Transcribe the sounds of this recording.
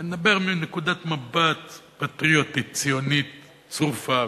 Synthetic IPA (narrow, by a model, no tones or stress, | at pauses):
ed̪abeʁmenekud̪at̪mabat̪pat̪ʁiot̪it̪t͡sijonit̪̚ | t͡sʁufa